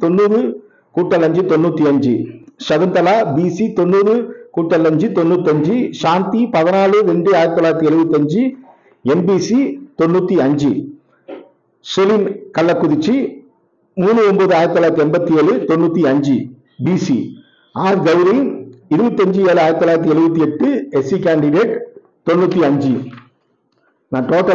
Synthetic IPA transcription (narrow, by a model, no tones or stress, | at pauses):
t̪ɔnːuːðɯ | kuːʈːɐlɐɲd͡ʒɯt̪ɔnːuːt̪ːiɐɲd͡ʒɯ̰ʃɐðɯnd̪ɐlaːbisit̪ɔnːuːðɯkuːʈːɐlɐɲd͡ʒɯt̪ɔnːuːt̪ːɐɲd͡ʒɯʃaːnt̪ipɐðɐnaːɭɯɾɛɳɖɯaːjɾɐt̪ːɔlːaːɾɐt̪ːiɛɻɯbɐt̪ːɐɲd͡ʒɯ | ɛnbisit̪ɔnːuːt̪ːiɐɲd͡ʒɯ | sɛlinkɐlːɐkːʊðɪt͡ʃːi | muːnɯɔmbɐðɯaːjɪɾɐt̪ːlːajɾt̪iɛmbɐt̪ːieːɻɯt̪ɔnːuːt̪ːiɐɲd͡ʒɯ | biːsḭ | aːɾɡɐʋɾinɪɾɯbɐt̪ːɐɲd͡ʒɯeːlɯaːjɪɾt̪ːɔlːaːɪɾɐt̪̬ːiɛɻɯbɐt̪̬ːiɛʈːɯɛsikaːɳɖɪɖeːʈ | t̪ɔnːuːt̪ːiɐɲd͡ʒɯ | nãːʈoːʈːɐ